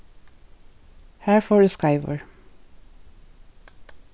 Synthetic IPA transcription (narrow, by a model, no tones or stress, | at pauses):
hæːɹfɔːɹʉskaɪʋə̰ɹ